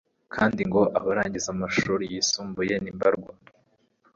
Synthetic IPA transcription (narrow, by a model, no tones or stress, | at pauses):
kʰaːndiŋɡo̞ʔaβaɾaːɲɟizamaʃuːɾijisuːmbuje̞nimbaɾɡwa